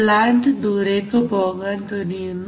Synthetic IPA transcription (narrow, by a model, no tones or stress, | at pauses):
laːɳɖɨd̪uːɾekːɨpoːɣaːnt̪onijunːu